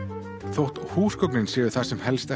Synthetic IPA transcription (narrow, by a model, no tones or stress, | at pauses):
θowht̪huːskowknɪnsjɛːðʏɾ̥θasɛmhɛlst̪ɛ